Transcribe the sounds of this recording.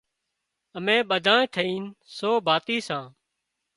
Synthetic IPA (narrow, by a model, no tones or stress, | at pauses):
əmẽːɓəd̪ʱãːt̪ʰəiːnsoːbʱaːt̪iːsãː